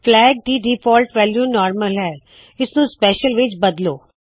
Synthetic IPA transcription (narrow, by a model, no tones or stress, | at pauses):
pʰlɛːɡ̚ɖ̪iːɖiːpʰɔːlʈʋɛːljuːnɔːɾməlɦɛː | ɪsnũspɛːʃəlʋɪt͡ʃbəd̪lo̰ː